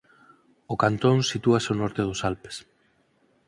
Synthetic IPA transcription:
ʊkant̪onsit̪uaseonɔɾt̪eð̞ʊsalpe̥s

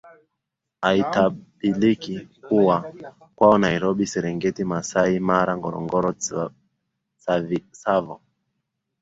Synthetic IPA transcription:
aitaɓilikikuwa | kwaɔnaiɾɔɓisɛɾɛŋɡɛtimasaimaɾaŋɡɔɾɔ̰ŋɡɔɾɔ | savsavɔ

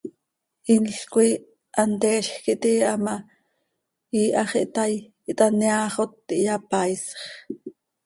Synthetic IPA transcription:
ʔinɬkui | ʔɑnt̪eːʃxkiʔt̪iɑma | iːʔɑχiʔt̪aj | iʔt̪ʼɑneaχot̪ːiʔjapɑjsχ

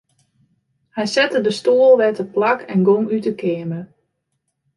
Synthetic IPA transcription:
hɛjsɛtədəstoːəlˠʋɛtəplakʰɛnɡoŋytəkɪəmə

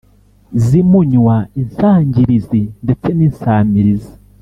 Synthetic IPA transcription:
zimuɲwainsaːɲɟiɾizinde̞t͡se̞ninsaːmiɾizi̥

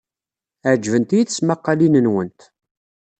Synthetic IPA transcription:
ʕd͡ʒvənt̪ijiθəsmɑqːɑlinənwənt̪

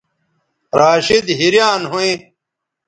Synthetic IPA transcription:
ɾaːɕid̪ɦiɾjaːnɦuĩ

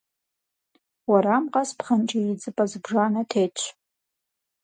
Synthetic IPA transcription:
waɾamqʼaspʰχant͡ʃʼɪid͡zɨpʼazbʐanatʰejt͡ʃʷʰ

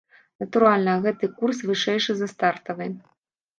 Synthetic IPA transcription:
nɐt̪uɾalʲnɐɣɛt̪ɨkursvɨʂɛjʂɨzɐst̪art̪ɐvɨ

